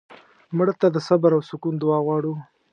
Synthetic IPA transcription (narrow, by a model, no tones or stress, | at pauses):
mʊɽt̪ad̪əsabaɾawsʊkund̪ʊwɑɣwɑɽu